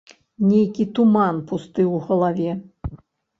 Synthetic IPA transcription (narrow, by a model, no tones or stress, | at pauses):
nʲejkʲit̪umanpust̪ɨwɣɐlˠavʲɛ